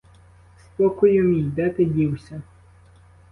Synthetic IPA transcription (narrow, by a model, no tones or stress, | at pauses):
spɔkʊjʊmʲijd̪ɛt̪ɪdʲiwsʲɐ